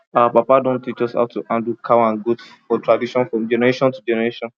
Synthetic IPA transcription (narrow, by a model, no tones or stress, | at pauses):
apapadõntit͡ʃɔsha̰ʊtuãndukʰawãnɡudfɔtɹadiʃɔ̃nfɹɔ̃md͡ʒɛnɛɹeʃɔ̃ntud͡ʒɛnɛɹeʃɔ̃n